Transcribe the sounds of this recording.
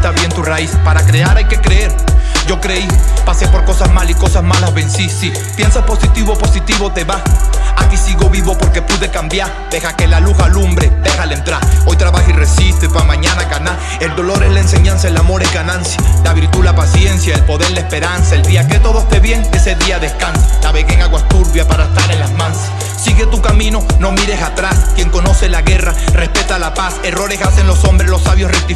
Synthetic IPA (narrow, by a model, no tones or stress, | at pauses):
t̪aβje̞nt̪uraispaɾakɾeaɾajke̞kɾeeɾd͡ʒo̞kɾe̞ipasepo̞ɾko̞sazmaliko̞sazmalazβe̞nsisi | pje̞nsaspo̞sit̪iβo̞po̞sit̪iβo̞t̪e̞βaakisiɣo̞βiβo̞po̞ɾke̞puðe̞kambjaɾ | d̥e̞xake̞laluɣalumbɾed̪e̞xalent̪ɾaɾo̞jt̪ɾaβaxire̞sist̪epamãɲanaɡana | e̞ld̪o̞lo̞ɾe̞zlaense̞ɲãnsaelamo̞ɾezɡanãnsjalaβiɾt̪ulapasje̞nsjaelpo̞ðe̞ɾilespe̞ɾansaeld̪iake̞t̪o̞ðoest̪e̞βje̞ŋe̞se̞ðiaðeskansenaβe̞ɣeŋaɣwast̪uɾβjapaɾaest̪aɾenlazmãns | siɣet̪ukamĩno̞no̞miɾe̞sat̪ɾaskje̞ŋko̞no̞se̞laɣe̞rare̞spe̞t̪alapase̞ro̞ɾe̞sase̞ŋlo̞so̞mbɾe̞slo̞saβjosrek̚t̪i